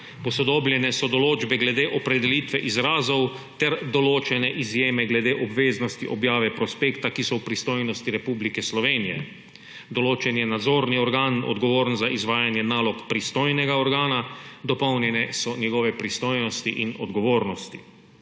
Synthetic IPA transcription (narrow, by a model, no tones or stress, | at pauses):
pɔsɔd̪oːbljɛnɛsɔd̪ɔloːd͡ʒbɛɡlɛd̪eːʔɔpɾɛd̪ɛlit̪ʋɛʔizɾaːzɔwt̪ɛɾd̪ɔloːt͡ʃɛnɛʔizjeːmɛɡlɛd̪eːʔɔbʋeːznɔst̪iʔɔbjaːʋɛpɾɔspeːkt̪akisɔwpɾist̪oːjnɔst̪iɾɛpublikɛslɔʋeːnijɛ̰ | d̪ɔloːt͡ʃɛnjɛnad̪zoːɾniɔɾɡaːnɔ̰d̪ɡɔʋoːɾnzaʔizʋaːjanjɛnaːlɔkpɾist̪oːjnɛɡaɔɾɡaːnad̪ɔpɔwnjɛnɛsɔnjɛɡɔːʋɛpɾist̪oːjnɔst̪iʔinɔd̪ɡɔʋoːɾnɔst̪i̥